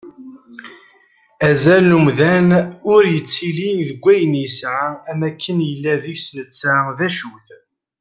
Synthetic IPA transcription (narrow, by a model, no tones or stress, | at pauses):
æzælnumðænʊɾjət͡sːiliðəɡʷːæjənjəsʕaæmækʰːənjəlːæðiçslət͡sːaðæʃuθ